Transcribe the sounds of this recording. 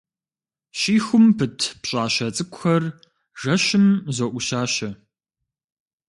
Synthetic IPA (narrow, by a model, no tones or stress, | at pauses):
ɕiːxʷʊmpɨtʰpɕʼaːɕɐt͡sʼɨkʷʼʊxɐr | ʒɐɕɪmzoːʔʷʊɕaːɕɐ